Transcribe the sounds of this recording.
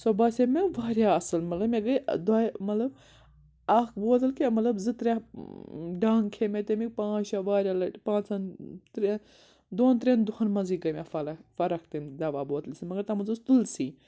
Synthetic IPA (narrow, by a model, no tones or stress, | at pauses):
sobɐsemeʋaːɾʲjaɐsɐlmɐt̪lɐbmeɡid̪aːmɐt̪lɐb | ɐkʰboːd̪ɐlkiemɐt̪lɐbzɨt̪ɾʲa | ɖaːŋkʰemet̪emik̚pãːt͡ʃaʋaːɾʲjaːlɐpãːt͡sʰɐnt̪ɾ | d̪oːnt̪ɾend̪ʊhɐnmɐzikɡɐmʲafɐlɐfɐɾɐkʰt̪emd̪ɐʋaːboːd̪ɐlsimɐɡɐɾt̪ɐmɐzust̪ulsiː